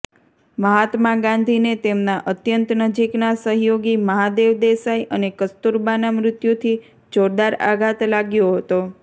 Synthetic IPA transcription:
məɦat̪maɡãnd̪ʱinet̪emnaʔət̪jənt̪nəd͡ʒiknasəɦjoɡiməɦad̪eʋd̪esajʔənekəst̪uɾbanamɾʊt̪jut̪ʰi | d͡ʒoɾd̪aɾa̰ɡʱat̪laɡjoɦət̪o

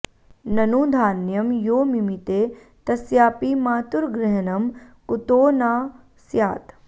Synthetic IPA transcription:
nɐnuːd̪ʱaːnjɐmjoːmimit̪eː | t̪ɐsjaːpimaːt̪uɾɡɾɪɦɐnɐmkut̪oːnaː | sjaːt̪

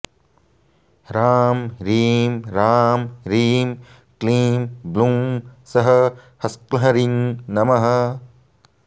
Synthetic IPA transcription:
ɾaːmɾiːmɾaːmɾiːm | kliːmblumsɐɦɐ | hɐsklɐɦɐɾinːɐmɐɦɐ

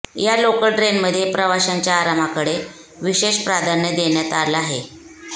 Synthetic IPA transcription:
jalokəlʈɾenməd̪ʱːjepɾəʋaɕaɲt͡ɕjaːɾam̤akəɽe | ʋiɕeɕpɾad̪ʱanjəd̪eɳjat̪alaɦe

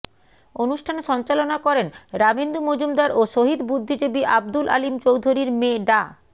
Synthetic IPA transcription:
onuʃʈʰaneʃɔnt͡ɕalonakɔɾenɾabend̪umod͡ʑumd̪aɾʔoʃoɦid̪bud̪ʱːid͡ʑobiʔab̚d̪ulʔa̰limt͡ɕowd̪ʱoɾiɾmeɖa

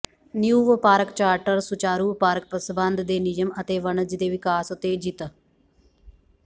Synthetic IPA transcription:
njuːʋpaːɾɐkt͡ʃaːɾʈɐɾsut͡ʃaːɾuːpaːɾk̚pɐsbaːnd̪d̪eːnijɐmɐt̪eːʋɐɳɐd͡ʒid̪eːʋikaːsot̪eːd͡ʒit̪ɐ

